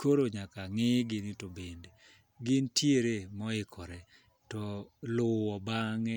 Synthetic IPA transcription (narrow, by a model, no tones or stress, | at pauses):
koɾoɲakaŋɪɡɪnɪtobende | ɡɪntʰjeɾemɔɪkʰɔɾɛ | tɔlʊwɔbaŋɛ